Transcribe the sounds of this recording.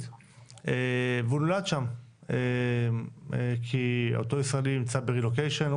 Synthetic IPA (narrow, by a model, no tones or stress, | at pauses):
evunolad̪ʃame | ekʰiot̪oisʁaeliimt͡sabeʁilokejʃen